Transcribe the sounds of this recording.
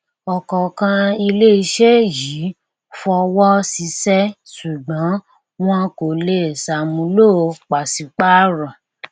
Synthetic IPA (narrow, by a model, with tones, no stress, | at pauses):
ɔ˨kɔ˨kã˧i˧le˦i˧ʃe˦ji˨˦ | fɔ˧wɔ˦si˨˧˦sɛ˦ | su˨ɡ͡bã˨˦ | w̃ɔ̃˦ko˨le˦˨sa˧mũ˧lo˦˧k͡pa˨si˨˧k͡pa˦ɾã˨